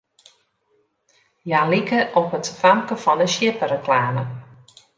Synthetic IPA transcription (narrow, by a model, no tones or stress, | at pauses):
jalikəʔɔpətfamkəfɔndəsjɪpəɾəklaːmə